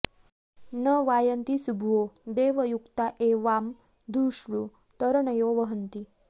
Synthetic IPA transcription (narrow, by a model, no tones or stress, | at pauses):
nəʋajənt̪isubʱʋod̪eʋəjukt̪aʔeʋam | d̪ʱuɕɾu | t̪əɾɳəjoʋəɦənt̪i